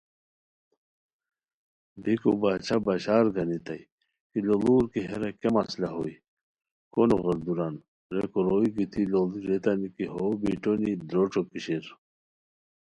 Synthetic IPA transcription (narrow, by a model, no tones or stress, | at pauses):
bikobaːt͡ɕʰabaɕaːɾɡɐnit̪aj | kiloluːɾkiɦeɾakemaslaɦoi | konoɣɐɾd̪uɾan | ɾekoɾoiɡit̪ʰiloliɾet̪anikiɦobiʈonid̪ɾoʈ͡ʂokiɕeɾ